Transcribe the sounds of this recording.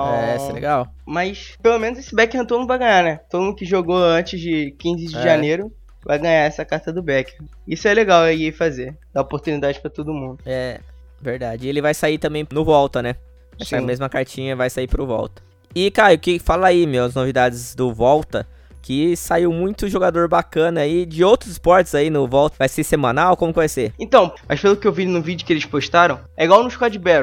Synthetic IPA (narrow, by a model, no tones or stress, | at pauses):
ɛɛsɛlḛɡaw | mɐjspelomẽnʊzesɪbɛkehɐ̃t̪onʊvajɡɐ̃ɲ̃anɛt̪od̪umũd̪ʊkɪʒoɡoɐ̃t͡ʃɪzd͡ʒɪkĩzɪd͡ʒɪʒaneɾʊ | vajɡɐ̃ɲaɛsɐkaɾt̪ɐd̪ʊbɛke | isʊɛleɡawewifazed̪aopoɾt̪unid̪ad͡ʒɪpɾɐt̪od̪ʊmũnd̪ʊɛ | veɾd̪ad͡ʒɪelɪvajsait̪ɐ̃mbẽj̃nʊvɔwt̪ɐnɛ | vajsaimezmɐkaɾt͡ʃĩɲɐvajsaipɾʊvɔ̰wt̪ɐ̥ | ɪkaɾʊkɪfalaimewɐznovid̪ad͡ʒɪzd̪ʊvɔwt̪ɐ | kʰɪsaiwmũj̃t̪ʊʒoɡad̪oɾbakɐ̃nɐid͡ʒɪowt̪ɾʊzɪspɔɾt͡ʃɪzainʊvɔwt̪ɐvajsesemɐ̃nawkõmʊkɪvajseẽt̪ɐ̃w̃mɐspelʊkɪewvinʊvid͡ʒʊkɪelɪʃpoʃt̪aɾɐ̃w̃ɛiɡwawnʊ̃ʃkad͡ʒɪbɛɾʊ